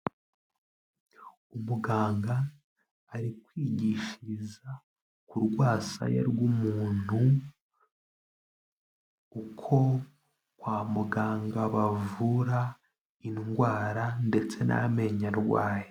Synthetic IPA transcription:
umuɡaːŋɡaː | ɾikwiːɟiʃiza | kuɾɡwaːsa̰jḛɾɡumuːn̥hu | ukʰo̞ | kwaːmuɡaːŋɡaβavuɾa | inɡwaːɾande̞t͡se̞nʔa̰me̞ɲaɾɡwa̰ːje

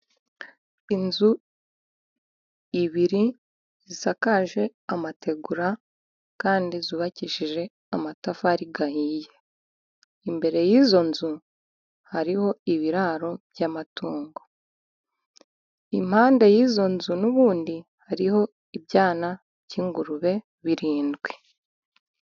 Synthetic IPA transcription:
inzu | iβiɾi | z̥isakaʒe̞amate̞ɡuɾa | kaːndizuβaciʃiʒe̞ | amatafaɾiɡahije̞ | imbe̞ɾe̞jiːzo̞nzu | haɾiho̞iβiɾaɾo̞bjamatuːŋɡo | im̥haːnde̞jiːzo̞nzunuβuːndihaɾiho̞ | ibɟaːna | ciːŋɡuɾuβe̞ | βiɾiːndɡwe

